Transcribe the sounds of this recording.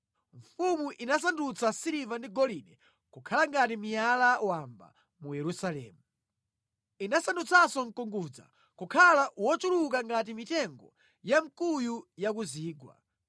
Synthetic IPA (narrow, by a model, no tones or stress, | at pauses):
ɱfumuʔinas̬andut͡sʰasiɾivandiɡɔlinɛ | kukʰalaŋɡatimijalawamba̰ | mujɛɾusalɛ̰ːmu | inasandut͡sasɔŋ̩kɔŋɡud͡za̰ | kukʰalaʔwɔt͡ʃuluk̬aŋɡat̬imitɛŋɡɔ̰ | jam̩kujujakuziːɡwa̰